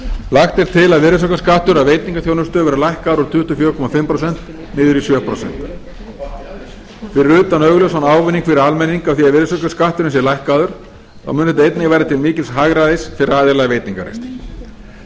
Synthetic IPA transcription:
laxt̪ɪɾ̥t̪ʰɪlaðvɪɾɪsœkaskaht̪ʏɾaðveːjt̪niŋkaθjownʏst̪œvɛɾalajhkaːðɾɔt̪ʰʏht̪uɔfjœːɾkʰɔmafɪmpɾɔsɛn̥t̪ | nɪːðʏɾisjœːpʰɾo̰sɛ̰n̥t̪ | fɪɾɪɾʏːt̪anœɣlœsanaːwvɪnːiŋkfɪɾɪɾalmɛnːiŋkawθiaðvɪɾɪsœkaskaht̪ʏɾɪns̬jɛɾlajhkaðʏɾ̥ | θa̰wmʏnθɛt̪aejt̪nɪɣvaːjɾat̪ʰɪlmiːcɪlsɦaɣɾaðejsfɪɾɪɾaːðɪlaɣveːjt̪niŋkaɾḛjst̪

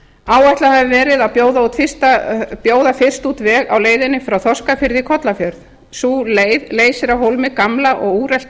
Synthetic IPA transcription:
aːwɛjht̪lahɛvɪvɛːɾɪðaðpjoːwðaut̪fɪst̪apjoːwðafɪr̥st̪ut̪vɛːɣa̰wleːjðɪnːɪfɾawθɔskafɪɾðikʰɔt̪lafjœɾð | suːleːjðleːjsɪɾawɦowlmɪkamlaʔɔɣuːɾɛlt̪

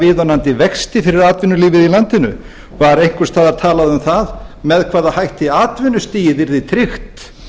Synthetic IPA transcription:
vɪːðɔnant̪ɪvɛkst̪ɪfɪɾɪɾaːt̪vɪnːʏliːvɪðilant̪ɪnʏ̰ | vaɾejŋ̥kʏɾ̥st̪ʰaːðaɾ̥t̪ʰaːlaðʏmθaðmɛðkʰv̥aːðaðhajht̪ɪaːt̪vɪnːʏst̪iːjɪvɪɾðɪt̪ʰɾɪxt̪

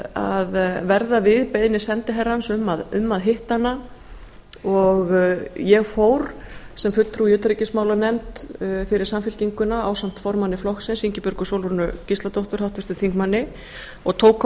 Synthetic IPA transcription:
aðvɛɾðavɪðpeːjðnːɪsɛnt̪ɪɦɛrːansʏmːaðʏmːaðɦɪht̪anːa | ɔɣjɛɣfoːwɾ | sɛmfʏt̪lt̪ʰɾuijʏːt̪ɾicɪsmaːwlanɛmt̪fɪɾɪɾ̥samfɪl̥ciŋkʏnaaːwsam̥t̪fɔɾmanːɪflɔhxsɪnsiɲcɪpʏɾkʏsowlvɔnʏcist̪lat̪owht̪ʏɾ̥hawht̪vɪst̪ʏθiŋkmanːɪ | ɔɣt̪ʰoːwkʰ

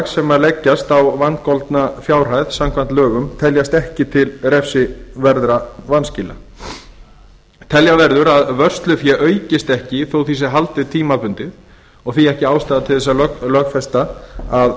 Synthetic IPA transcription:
sɛmalɛcːast̪awvankɔlt̪nafjaːwr̥ajðsamkʰvant̪lœːɣʏmt̪ʰɛljast̪ɛhcɪt̪ʰɪlɾɛfsɪvɛɾðɾavanscɪːla̰ | t̪ʰɛljavɛɾðʏɾaðvœr̥st̪lʏfjɛʔœːɥcɪst̪ɛhcɪθowθiːs̬ɪɦalt̪ɪt̪ʰiːmapʏnt̪ɪð | ɔɣθiɛhcɪaːwst̪aːðat̪ʰɪlθɛs̬ːallœxfɛst̪aað

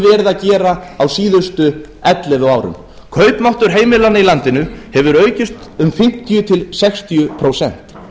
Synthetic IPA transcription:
vɛːɾɪðacɛːɾaawsiːðʏst̪ʏ | ɛt̪lɛvʏaːwɾʏ̰m | kʰœːɥpmawht̪ʏɾ̥ɦeːjmɪlanɪilant̪ɪnʏhɛvʏɾœːɥcɪst̪ʏmfɪm̥t̪ʰijʏt̪ʰɪlsɛkst̪ijʏpʰɾowsɛ̰n̥t̪

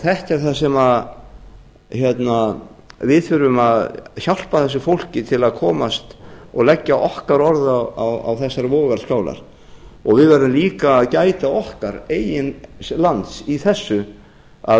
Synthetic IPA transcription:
θɛhc̪aɾ̥θasɛma | çjɛt̪navɪðfʏɾʏmaðçal̥paθɛs̬ːʏfowl̥cɪt̪ʰɪlaðkʰɔːmast̪ɔɣlɛcːaʔɔhkaɾɔɾðaawa̰wθɛsːaɾvɔːɣaɾ̥skaːwla̰ɾ̥ | ɔɣvɪðvɛɾʏmliːkaːðcaːjt̪aɔhkaɾeːjɪnslant̪siθɛsːʏ | a̰

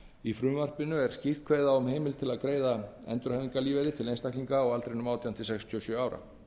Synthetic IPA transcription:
ifɾʏmvar̥pɪnːʏɛɾ̥scihðkʰveːjðaʏmɦejmɪlt̪ʰɪlaðkɾeːjðaɛ̰nt̪ʏɾ̥hajviŋkaliːveɾɪt̪ʰɪlejnst̪akliŋkaɔɣalt̪ɾejnʏmaːwt̪ʰiant̪ɪsɛkst̪ʰyɔsjœːaːwɾa̰

